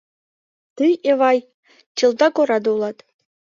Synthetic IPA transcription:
t̪ɯjeʋɑj | t͡ɕɯ̆lˠd̪ɑkŏɾɑd̪ulˠɑt̪

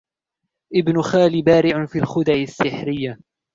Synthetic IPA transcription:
ʔɪbnʊxaːlibaːɾɪʕʊfiːlxʊd̪aʕɪsːɪħɾɪjːa

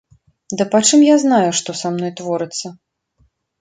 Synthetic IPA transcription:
d̪ɨpat͡ʂɨmjaznajuʂt̪ɔsamnɔjt̪vɔɾɨt̪sːɐ

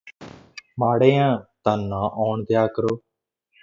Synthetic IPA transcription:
maːɽẽːãːt̪ãːnːãːʔɔːɳt̪jaːkəɾoː

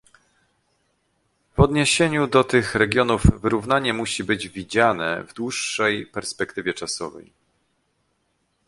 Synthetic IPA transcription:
vɔd̪ɲeɕeɲud̪ɔt̪ɘxɾɛɡʲjɔnuvːɘɾuvn̪aɲɛmuɕibɘd͡ʑvʲid͡ʑanɛ̰vd̪wuʂːɛjpɛɾspɛkt̪ɘvʲɛt͡ʂasɔ̰vɛ̰j

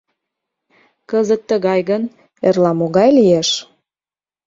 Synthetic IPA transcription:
kəzət̪ːəɣɑjɣən | erlɑmoɣɑjlieʃ

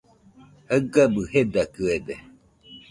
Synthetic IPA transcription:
həɡabɯhed̪akɯed̪e

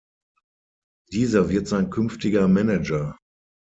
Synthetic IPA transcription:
d̥iːzɐvɪɐtz̥aɪnkʰʏnftɪɡɐmɛnɛd͡ʒɐ

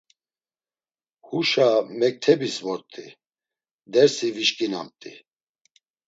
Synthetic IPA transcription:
huʃamɛk̚t̪ʰɛbisvɔɾt̪ʼi | d̪ɛɾsiviʃkʼina̰mt̪ʼḭ

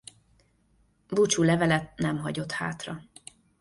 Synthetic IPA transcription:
but͡ʃulɛvɛlɛt̪̚nɛmɦɒɟo̞t̪ha̰ːt̪rɒ

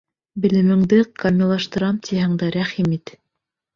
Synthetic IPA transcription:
bɘ̆lɘ̆mɘ̆ŋd̪ɘqamʲɪlˠɑʃt̪ɤ̆ɾɑmt̪ʰʲihæŋd̪æɾæχimit̪

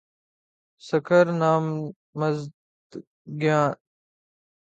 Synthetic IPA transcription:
səkəɾnaːmː | ɐzd̪ | ɡjaːn

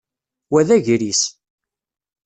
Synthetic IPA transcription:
wæðæʝɾis

